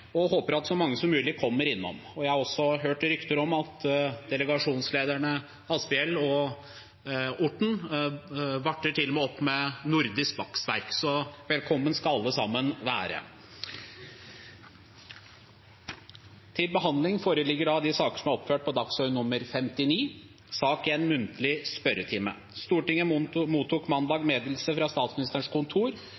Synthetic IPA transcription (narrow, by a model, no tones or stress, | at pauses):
ɔɦoːpəɾɑt̪sɔmɑŋːəsɔmʉːlɪkʰɔmːəɾɪnːɔ̰mɔjæɪhɑɾɔsːɔɦøːʈɾʏkt̪əɾɔmɑt̪d̪ɛləɡɑʂuːnsleːd̪æɳə | ɑspɛɛlːɔ | ʊʈːɳ̩ | ʋɑʈːəʈʰɪlːɔmɛɔpːmɛnʊɾd̪ɪskb̪ɑksʋæɾksɔʋɛlkʰɔmːənskɑɑlːəsɑmːənʋæ̰ːɾə̰ | t̪ʰɪlbəɦɑnd̪lɪŋfoːɾəlɪɡːəɖɑd̪ɪsɑːkəəʂɔmæɾɔpːføːʈ̚pʰɔd̪ɑksœʏnʊmːəɾfɛmt̪ɪniː | sɑːkɪɛnmʉnt̪əlɪspœɾət̪ʰɪmə̰ | st̪uːʈɪŋːəmuːt̪ʰuːkmɑnd̪ɑːɡmeːd̪lsəfɾɑst̪ɑːt̪smɪnɪst̪əʂkʰʊnt̪ʰuːɾ